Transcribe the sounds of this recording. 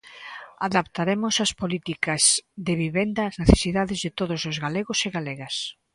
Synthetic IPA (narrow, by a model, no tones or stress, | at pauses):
aðapt̪aɾemʊsɐspolit̪ikɐzðɪβiβend̪ɐːzneθe̥siðaðɪzðɪt̪oðosozɣaleɣoseɣaleɣɐs